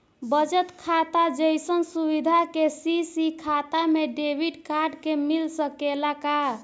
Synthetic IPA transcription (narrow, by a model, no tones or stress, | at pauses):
bəd͡ʒət̪kʰat̪ad͡ʒəjsənsubid̪ʱakesisikʰat̪ameɖebʱiɖkaɾɖkemilsəkelaka